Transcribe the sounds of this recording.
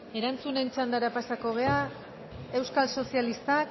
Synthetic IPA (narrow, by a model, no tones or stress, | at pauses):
e̞ɾant͡sune̞nt͡ʃand̪aɾapasako̞ɣ̞e̞a | e̞wskalso̞sialist̪ak